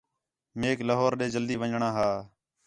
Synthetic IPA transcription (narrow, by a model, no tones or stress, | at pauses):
meːkləɦoːɾɗeːd͡ʒəld̪iːʋəɲɳãːɦaː